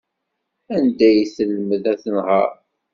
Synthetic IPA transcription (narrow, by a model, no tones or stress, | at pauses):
ænd̪æjθəlːəməðæθənhə̰ɾ